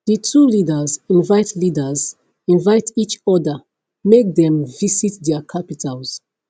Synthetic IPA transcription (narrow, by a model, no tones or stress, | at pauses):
d̥ətʰulidəzĩnvaɪtʰlidəz | ĩnvaɪtit͡ʃɔdə | mek̚dɛ̃mvisitdɛkʰapitʰalz̥